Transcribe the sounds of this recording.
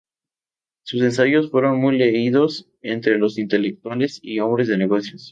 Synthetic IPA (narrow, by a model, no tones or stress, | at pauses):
susensaʝo̞sfwe̞ɾo̞nmujleiðo̞s | e̞nt̪ɾe̞lo̞sint̪e̞lek̚t̪wale̞sio̞mbɾe̞zðeneɣo̞sjos